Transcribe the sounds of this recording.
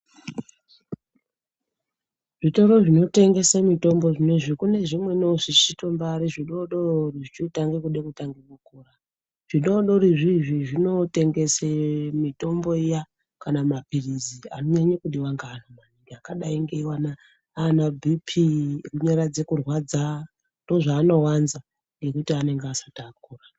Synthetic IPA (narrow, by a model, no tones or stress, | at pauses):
ʐito̞ɾo̞ʐino̞te̞ŋɡe̞samito̞mbo̞ʐineʐikune̞ʐimwe̞noʐit͡ʃito̞mbaɾiʐiɗo̞ɗoriʐit͡ʃitaŋɡekuɗekutaŋɡemukuːra | ʐ̥iɗo̞ɗo̞ɾiʐiʐiʐino̞te̞ŋɡe̞semito̞mbo̞ija | kanamapirizia̰noɲaɲakuɗiwaŋɡaːnomaniŋɡeakaɗaiŋɡe̞iwana | anabʱipʰiruɲaɾad͡ze̞kurwad͡za | ndo̞ʐaːno̞wanza | ŋɡe̞kutiane̞ŋɡeasataːk̚uːra